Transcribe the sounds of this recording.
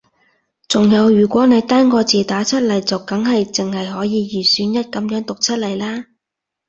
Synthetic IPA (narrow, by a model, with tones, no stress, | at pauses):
t͡sʊ˨˩ŋjɐ˨˧wjyː˨˩kʷɔː˨˥ne˨˧jt̪aː˥ŋkɔː˧t͡siː˨t̪aː˨˥t͡sʰɐ˥t̚lɐ˨˩jt͡sɐ˨wkɐ˨˥ŋɦɐ˨jt͡sɪ˨ŋhɐ˨jɦɔː˨˥jiː˨˧jiː˨˩syː˨˥njɐ˥t̚kɐ˨˧˥mjœː˨˥ŋt̪ʊ˨k̚t͡sʰɐ˥t̚lɐ˨˩jlaː˥